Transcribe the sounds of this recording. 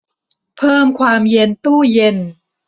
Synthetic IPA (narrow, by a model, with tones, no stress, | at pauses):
pʰɤː˥˩mkʰwaː˧mje˧nt̪uː˥˩je˧n